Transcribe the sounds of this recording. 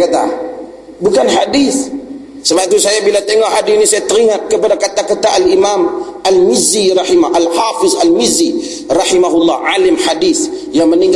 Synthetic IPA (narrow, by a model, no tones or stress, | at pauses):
kat̪a | bukanħadiθ | səbap̚it̪usajabilat̪eŋɔʔadainisajat̪əɾiŋat̪̚kəpadakat̪akat̪aʔalimamalmɪziɾɑħimaʔalħafɪzalmɪzi | rɑħimaɦulːɑʕalɪmħadiθjaŋməniŋɡ